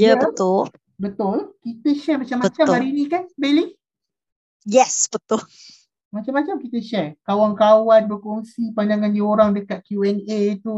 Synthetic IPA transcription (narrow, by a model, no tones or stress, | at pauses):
jəbət̪ʊl | bət̪ʊlkit̪əʃɛrmat͡ʃamːat͡ʃambaɾinĩkanbelɪŋ | jɛsb̥ət̪ʊl | mat͡ʃamːat͡ʃamkit̪əʃɛrkawaŋkawanbərkoŋsipandaŋandəoɾaŋdəkat̪̚kjuɛnet̪u